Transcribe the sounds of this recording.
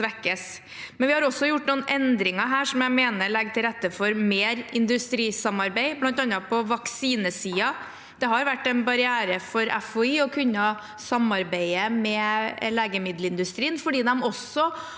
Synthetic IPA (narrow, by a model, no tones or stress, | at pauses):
ʋɛkːəs | mɛnʋɪhɑɾɔsːɔjʊʈːnuːənʔɛnd̪ɾɪŋɑɦæːʂɔmjæɪmeːnəɾɭɛɡt̪ʰɪlɾɛt̪ːəfɔɾmeːɾɪnd̪ʉst̪ɾiːsɑmɑɾbæɪblɑnt̪ɑnɑpʰɔʋɑksiːnəsiːɑ | d̪̥ɛɦɑɾʋæʈːɛnbɑɾɪæːɾəfɔɾɛ̰fɔiːɔkʰʉnːɑ | sɑmɑɾbæɪəmɛleːɡəmɪd̪ləɪnd̪ʉst̪ɾiːənfɔɖiːd̪ɛmɔsɔ